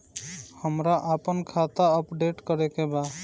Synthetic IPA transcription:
həmɾaʔapənkʰat̪aəpɖeʈkɔɾɛkeba

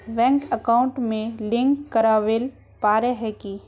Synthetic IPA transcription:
bɛ̃ːŋkəkaːʊ̃ɳʈmẽlɪ̃ŋkːəɾaːʋel | paːɾeɦɛki

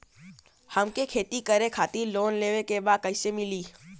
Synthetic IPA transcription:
hɐmkekʰeːt̪ikəɾẽkʰaːt̪iloːnleːʋẽkebaːd̪̚kɐɪsemɪliː

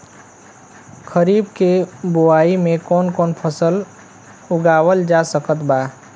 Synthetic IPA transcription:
kʰəɾiːbkeboaːimẽkɔːnkɔːnpʰəsəl | ʊɡaːwəld͡ʒasəkət̪ba

